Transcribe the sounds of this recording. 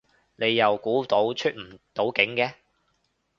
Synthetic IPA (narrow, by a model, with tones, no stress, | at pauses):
ne˨˧jːɐ˨wkuː˨˥t̪o˨˥wt͡ʃʰy˥t̚m̩˨˩t̪o˨˥wkɪ˨˥ŋkɛː˧